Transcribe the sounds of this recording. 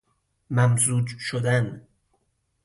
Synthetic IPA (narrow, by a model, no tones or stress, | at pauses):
mæmzuːd͡ʒʃod̪æn